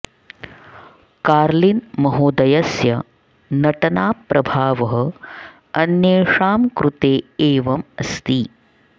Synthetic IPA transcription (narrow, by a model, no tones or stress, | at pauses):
kaːɾlinmɐɦoːd̪ɐjɐsjɐ | nɐʈɐnaːpɾʔɐbʱaːʋɐɦɐ̆ | ɐnjeːʂaːmkɾut̪eːeːʋɐmɐst̪i